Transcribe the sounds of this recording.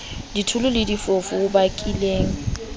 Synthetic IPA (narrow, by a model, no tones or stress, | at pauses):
ditʰʊlʊlɪdifofʊʊbakʼileːŋ̩